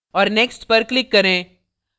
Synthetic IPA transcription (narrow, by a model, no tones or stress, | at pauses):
ɔːɾneːksʈpɐɾklɪkːɐɾẽː